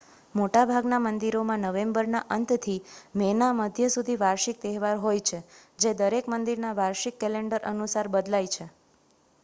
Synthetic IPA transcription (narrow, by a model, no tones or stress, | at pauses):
moʈabʱaɡnamənd̪iɾomãnəʋembəɾnaʔənt̪ʰt̪ʰimɛnaməd̪ʱjəsud̪ʱiʋaɾʃik̚t̪ɛɦʋaɾɦojt͡ʃʰed͡ʒed̪əɾekmənd̪iɾnaʋaɾʃikːɛleɳɖəɾʔənusaɾbəd̪lajt͡ʃʰe